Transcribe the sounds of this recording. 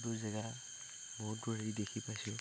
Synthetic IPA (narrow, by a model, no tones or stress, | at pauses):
duzɛɡa | mɔɦutɡɔɹaɹidekʰipajsɛ